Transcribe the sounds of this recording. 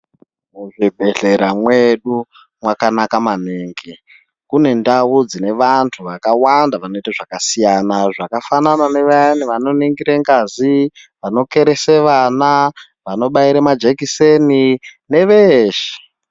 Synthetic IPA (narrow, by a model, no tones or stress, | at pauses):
muʐibʱe̞ɬe̞ɾamwe̞ɗu | mwakanakamaneːŋɡe | kune̞ndawud͡zine̞ʋantʰuʋakawandaʋano̞itaʐakasijanaʐakafanananeʋaniʋano̞niŋɡiɾeŋɡazi | ʋano̞ke̞ɾeseʋana | ʋano̞ɓaiɾemad͡ʒekisenine̞ʋeʃe̥